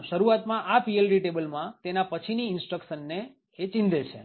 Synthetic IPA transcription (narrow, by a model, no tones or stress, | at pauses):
ʃəɾuat̪mãʔapielɾiʈebəlmãt̪enapət͡ʃʰiniɪnsʈɾəkʃənːe | et͡ʃĩnd̪ʱet͡ʃʰḛ